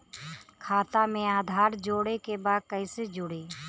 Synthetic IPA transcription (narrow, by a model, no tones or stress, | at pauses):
kʰaːt̪amẽaːd̪ʱaːɾd͡ʒoːɽekebaːd̪̚kəɪsed͡ʒʊɽeː